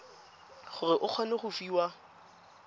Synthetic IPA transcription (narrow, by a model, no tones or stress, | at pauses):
χʊrɪʔʊq͡χʰɔnɛχʊfiːwa